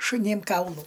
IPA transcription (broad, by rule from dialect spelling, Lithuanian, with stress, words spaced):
ʃʊˈnʲeːm ˈkɐʊlˠuː